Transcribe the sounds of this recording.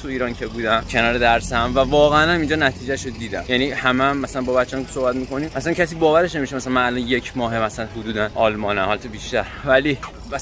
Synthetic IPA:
t̪ʰuiːɾɒːncʰe̞buːd̪æmcʰe̞nɒːɾed̪æɾsæmvævɒːɣænæmiːnd͡ʒɒːnæt̪ʰiːd͡ʒæʃod̪iːd̪æmjæniːhæmeæmːæsælænbɒːbæt̪t͡ʃːeɒmkeso̞hbæt̪miːko̞niːmʔæslæncʰæsiːbɒːvæɾe̞ʃne̞miʃemæsælænmænælɒnje̞cʰmɒːɦemæsælænɦud̪uːd̪ænɒːlmɒːnæhɒlt̪ʰubiːʃt̪æɾvæliː | æs

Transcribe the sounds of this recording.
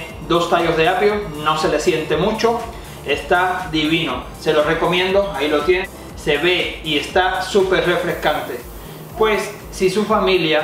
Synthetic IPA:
d̪o̞st̪aʝo̞zðeapjono̞se̞le̞sje̞nt̪e̞mũt͡ʃo̞ | e̞st̪ad̪iβino̞se̞lore̞ko̞mjẽ̞nd̪o̞ailo̞t̪je̞n | se̞βe̞ie̞st̪asupeɾre̞fɾe̞skant̪e̞ | pwe̞sː | isufamilja

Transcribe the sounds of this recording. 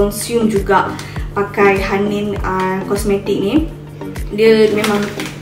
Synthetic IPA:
ɔnsjumd͡ʒuɡaʔ | pakajɦaninəkɔsmɛt̪ik̚nĩ | diəmẽmãŋ

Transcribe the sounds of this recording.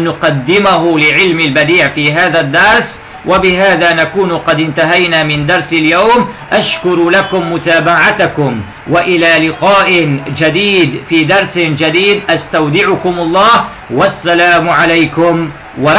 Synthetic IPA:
nːʊqɑd̪ːɪmaɦʊlɪʕɪlmalbad̪iːʕfiːɦaːðad̪ːɑɾˤs | wʔabɪɦaːðaːnakuːnqɑd̪ɪnt̪aɦajnaːmɪnd̪ɑɾˤsaljawmʔaʃkʊɾlakʊmːʊt̪aːbaʕat̪akʊm | waʔɪlaːlɪqaːʔɪd͡ʒad̪iːd̪fiːd̪ɑɾˤsɪd͡ʒad̪iːd̪ʔast̪awd̪ɪʕʊkʊmɑlˤːɑːh | wasːalaːmʕalajkʊm | wɑ

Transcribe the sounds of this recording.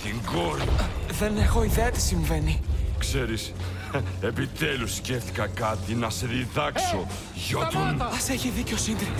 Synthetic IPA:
t̪iŋɡoɾiðe̞ne̞xo̞iðe̞ɐt̪i̥siɱve̞nikse̞ɾis | e̞pit̪elusːceft̪i̥kɐkɐt̪inɐse̞ðiðɐkso̞ | ʝɐt̪unɐse̞çiðiceosind̪ɾi

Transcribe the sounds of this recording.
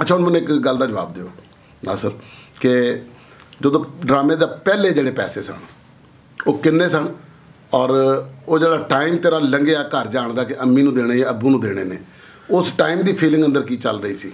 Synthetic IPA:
ətt͡ʃʰaːʊnmənːũːɪkɡəld̪aːd͡ʒəʋa̰ːbd̪ɪjoː | na̰ːsəɾkɪ | d͡ʒəd̪õːɖɾaːmeːd̪aːpɛːleːd͡ʒeːɽeːpɛːseːsə̰ɳ | oːkɪnːeːsəɳ | ɔːɾoːd͡ʒeːɽaːʈaːiːmt̪eːɾaːləŋɡeːaːkəɾd͡ʒaːɳd̪aːkɪʔəmːiːnũːd̪eːɽaːeəbũːnũːd̪eːɽ̃ḛːnḛː | ʊsʈaːiːmd̪iːpʰiːlɪ̃ŋɡənd̪əɾkiːt͡ʃəlɾəiːsiː

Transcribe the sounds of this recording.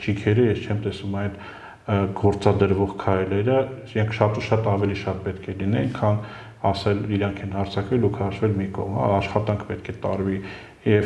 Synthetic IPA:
t͡ʃʰikʰɛɾəjɛst͡ʃʰɛmt̪ɛsumɑjd̪ | ɡɔɾt͡sɑd̪əɾvɔʁkʰɑjlɛɾəsiɾɑŋkʰʃɑt̪uʃɑt̪ɑvɛliʃɑt̪̚pɛt̪kʰɛlinɛnkʰɑn | ɑsɛliɾɑŋkʰɛnhɑɾt͡sʰɑkvɛlukʰɑʃvɛlmikɔ̰ʁmhɑ̰ɑʃχɑt̪ɑŋkʰpɛt̪kʰɛt̪ɑɾvi | jɛv

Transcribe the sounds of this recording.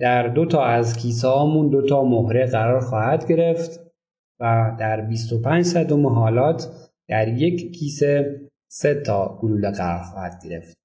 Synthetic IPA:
d̪̥æɾd̪o̞t̪ʰɒːæzcʰiːs̬hɒːmuːnd̪ot̪ʰɒːmohɾeɣæɾɒːɾxɒːhæd̪ɟe̞ɾe̞ft̪ | væd̪æɾbiːst̪opʰænd͡ʒsæd̪omeɦɒːlɒːt̪ʰ | d̪̥æɾje̞ckʰiːse | se̞t̪ʰɒːɡuluːleɣæɾɒ̰ɾxɒːhæd̪̥̚ɡe̞ɾe̞̰ft̪̚

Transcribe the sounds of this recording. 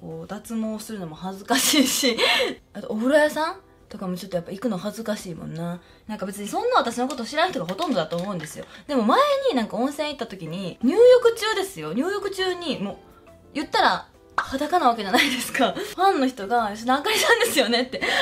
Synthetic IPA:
koːd̪at͡sɨmo̞ːsɨɾɯ̟no̞mo̞hazɨkaɕiːɕiat̪oobɯ̟ɾajasãn | t̪o̞kamo̞t͡ɕot̪ːojapːaikɯ̟nohazɨkaɕiːmõ̰nːa | nãŋkabe̞t͡sɨɲ̟isõ̞nːaat̪aɕino̞ko̞t̪oːɕiɾanaçit̪oɡaɦo̞t̪õnd̪o̞d̪at̪o̞ːmo̞ɯ̃nd̪e̞sɨjo̞̰d̪e̞mo̞maeɲ̟inãŋkaõ̞ɰ̃sẽ̞ɰ̃it̪ːat̪o̞kʲiɲ̟iɲ̟ɨːjo̞kɯ̟t͡ɕɨːd̪e̞sɨjo̞ɲ̟ɨːjo̞kɯ̟t͡ɕɨːɲ̟imoː | jɯ̟t̪ːaɾa | had̪akanaβ̞ake̞ʑanaid̪e̞sɨ̥kaɸãnːo̞çi̥t̪o̞ɡaiɕonãkaɾʲit̪ãɯ̃nd̪e̞sɨjo̞ne̞t̪ːe̞

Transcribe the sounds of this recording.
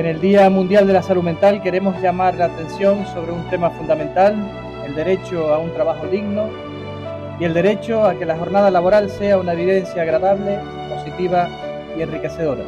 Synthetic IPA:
ene̞ld̪iamũnd̪jald̪elasalumẽnt̪alke̞ɾe̞mo̞zʎamaɾlaːt̪e̞nsjo̞ŋso̞βɾeunt̪e̞mafund̪amẽnt̪al | e̞̰ld̪e̞ɾe̞t͡ʃoaunt̪ɾaβaxoðiɣno | ie̞ld̪e̞ɾe̞t͡ʃo̞ake̞laxo̞ɾnað̞alaβo̞ɾalse̞aunaβiðe̞nsjaːɣɾaðaβle̞ | po̞sit̪iβa | ie̞nrike̞se̞ð̞o̞ɾa̰

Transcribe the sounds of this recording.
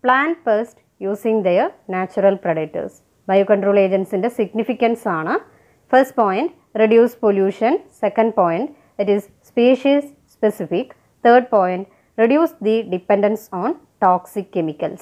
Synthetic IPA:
plaːnfɐsʈ | juːsĩŋd̪enaːt͡ʃːuɾɐlpɾɐɖek̚ʈːɐ̰s | bɐjukɐ̃ɳʈɾoːleːd͡ʑenʈsindesiɡnifikːɐ̃nsaːɳɨ | fɐɾsʈ̚poːjɳʈ | ɾiɖjuːsʈpoljuːʂɐ̃nsekɐ̃ɳɖ̚poːjiɳʈ | iʈiz | speːʃɐs | spesifik | t̪ʰəːɾɖ̚poːjɳʈ | ɾiɖjuːsʈd̪iɖipeɳɖɐ̃nsɔ̃ːnʈɔːksikːemikːɐls

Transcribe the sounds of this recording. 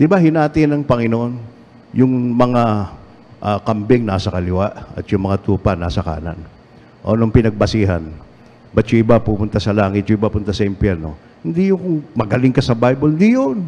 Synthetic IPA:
d̪ɪbaɦɪnaːt̪ɪnɐŋpɐŋɪnoʔo̞n | jʊŋmɐŋa | ʔakɐmbɪŋnasɐkɐlɪwaʔɐ̰t̪jʊŋmɐŋat̪uːpanaːsɐka̰ːna̰n | ʔo̰noŋpɪnɐɡ̚bɐsiːɦan | bɐt̪jʊʔɪbapʊmʊnt̪asɐlaːŋɪt̪̚jʊʔɪbapʊnt̪asɐɪmpjɛɾno̞̰ | hɪnd̪ijʊkʊŋmɐɡɐlɪŋkɐsɐbajbolɪnd̪ijon

